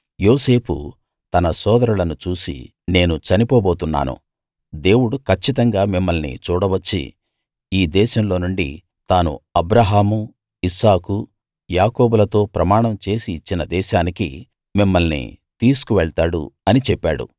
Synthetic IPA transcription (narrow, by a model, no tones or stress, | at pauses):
joːse̞ːpʰṵ | t̪ɐnɐsɔːd̪ɐɾulɐnut͡ʃuːsḭ | ne̞ːnut͡ʃɐnipoːbo̞ːt̪unːa̰ːnṵ | d̪e̞ːwuɽukɐt͡ʃːit̪ɐŋɡaːmimːɐlnḭt͡ʃuːɽɐʋɐt͡ʃːḭ | iːd̪ɛːʃɐmlo̞ːnuɳɖḭ | t̪aːnṵɐbɾɐɦaːmu | isaːku | jaːkoːbulɐt̪o̞ːpɾɐmaːɳɐmt͡ʃe̞ːsiːt͡ʃːinɐd̪ɛːʃaːnikḭ | mimːɐlnḭt̪iːs̬u̥kuʋɛɭt̪aːɽṵɐnit͡ʃɛpːa̰ːɽṵ